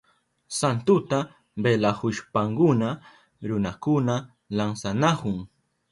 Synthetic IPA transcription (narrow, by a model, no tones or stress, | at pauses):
sant̪ʊt̪a | belahʊʃpaŋkʊna | ɾʊnakʊna | laŋsanakʊŋ